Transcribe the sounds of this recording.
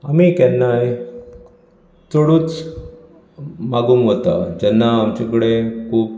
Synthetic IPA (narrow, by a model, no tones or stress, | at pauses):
amikɛnːaj | t͡soɽuːt͡s | maɡuːŋɦot̪ad͡ʑɛnːaːmt͡ɕekəɽekʰuːp